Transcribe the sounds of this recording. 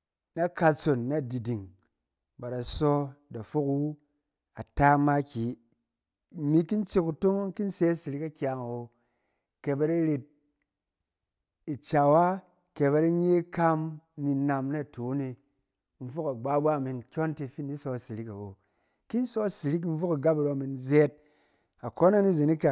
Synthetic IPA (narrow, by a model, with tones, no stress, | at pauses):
na˦ka˧t͡so˨nːa˦˨di˨di˨ŋ | ba˨ɾa˨sɔ˦da˨fo˦kwu˦ | a˨ta˦ma˦kʲi˨˦ | mi˧˦ki˦n˦t͡ʃi˦ku˨to˦ŋ˦ŋ̩˦ki˦n˦se˦a˦si˨ɾi˦ka˦kʲja˨ŋa˨wo˧ | ke˨ba˧ɾa˦ɾe˧t̚ | i˨t͡ʃa˨wa˦ | ke˨ba˧ɾi˦ɲ˦e˦ka˦m˦ni˧na˨mna˦˨tʰo˨˦ni˧ | n̩˦fo˦ka˨ɡ͡ba˦bʷa˦˨mi˨nkʲɔ˦nti˧fi˦ni˦sɔ˧˨si˨ɾi˦ka˨wo̰˨ | ki˦n˦sɔ˦si˨ɾi˦k̬n̩˦fo˦ka˨ɡa˦pɾo˨˧˨mi˧nze˦t̚ | a˨ko˦na˦ni˦zi˨ni˦ka˨